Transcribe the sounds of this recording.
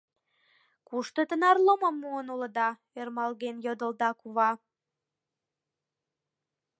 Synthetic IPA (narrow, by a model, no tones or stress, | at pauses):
kuʃt̪ot̪ənɑrloməmːuənulə̆d̪ɑ | ermɑlɣenjod̪əld̪ɑkuβɑ